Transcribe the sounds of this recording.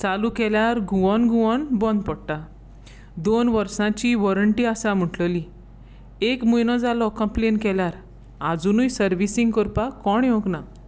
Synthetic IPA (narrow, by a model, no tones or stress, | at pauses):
t͡salukɛljaɾɡuʋɔnɡuʋɔnbɔ̃nd̪̚pɔɽʈa | d̪onʋəɾsãt͡ɕiʋɔɾəɳʈiasãm̤uʈləli | ekmujnɔd͡zalɔkəmplenkɛljaɾ | ad͡zunujsəɾʋisĩŋɡkɔɾpakɔɳjokna